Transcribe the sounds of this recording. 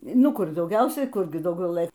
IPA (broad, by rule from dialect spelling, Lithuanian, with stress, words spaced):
ˈnʊ ˈkʊr dɐʊˈɡʲɛʊsʲɛɪ ˈkʊrʲɡʲɪ dɐʊˈɡʲɛʊ ˈlˠɘ